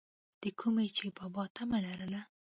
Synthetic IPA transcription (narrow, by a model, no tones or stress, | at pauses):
d̪̥əkʰumet͡ʃebɑbɑt̪ʰamalaɾəla